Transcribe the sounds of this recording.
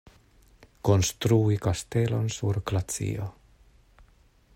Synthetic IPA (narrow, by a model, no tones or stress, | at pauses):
konst̪ɾuːikast̪elonsuɾklat̪t͡sḭːo